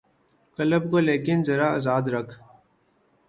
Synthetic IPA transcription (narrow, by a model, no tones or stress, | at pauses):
kɐləbkoleːkɪnzɐɾaazaːd̪ɾɐkʰ